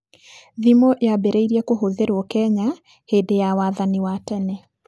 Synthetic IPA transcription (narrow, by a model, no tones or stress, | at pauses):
ðimoʔjabɛɾeiɾiɛkoɦoðeɾwɔkɛɲa | hedejawaðaniwatɛnɛ